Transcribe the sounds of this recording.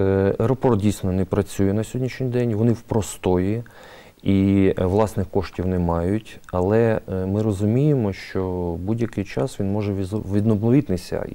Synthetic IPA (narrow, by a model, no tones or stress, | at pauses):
ɛjɾɔpɔrt̪̚dʲijsʲnɔnɛpɾɐt͡sʲujɛnɐsʲɦɔdʲnʲiʃnʲijd̪ɛnʲʋɔnɪwpɾɔst̪ɔji | iʋlˠɑsnɪxkɔʃtʲiwnɛmɑjʊtʲɐlˠɛmɪɾɔzʊmʲijɪmɔʃt͡ʃɔbudʲjɐkɪjt͡ʃɑsʋʲinmɔʒɛʋʲʋʲid̪nɔblˠɔʋʲit̪nɪsʲɐ̰